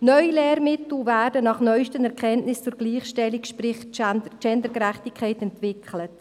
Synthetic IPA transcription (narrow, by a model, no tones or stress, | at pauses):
nœʏilɛːɾmɪtl̩væːdənɑχnœʏʃtənɛɾkʰɛntnɪst͡sʊːɾɡliːχʃtɛlikʃpɾɪχndət͡ʃɛndəɾɡəɾæχtɪkʰːɛɪtɛntvɪkχlət